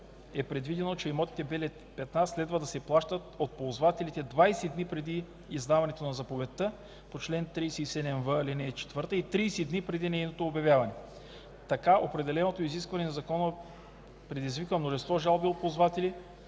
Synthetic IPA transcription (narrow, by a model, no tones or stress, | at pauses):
ɛpɾɛd̪vid̪ɛnot͡ʃɛimɔt̪i̥t̪ɛbɛlɛ | pɛt̪naslɛd̪vɐd̪ɐsɛplˠaʃt̪ət̪ot̪̚polzvat̪ɛlit̪ɛd̪vajsɛd̪nipɾɛd̪iː | zd̪avɐnɛt̪onɐzɐpovɛt̪ːə | pot͡ʃlɛnt̪ɾijsɛisɛd̪ɛmvəlinɛːt͡ʃɛ̥t̪vəɾt̪əit̪ɾiːsɛd̪nipɾɛd̪inɛjnot̪oːbjɐvʲjavɐnɛ | t̪ɐkaopɾɛd̪ɛlɛnot̪oiziskvɐnɛnɐzɐkɔnə | pɾɛd̪izvikvəmnoʒɛnst̪vɔʒalˠbiot̪̚pozvat̪ɛli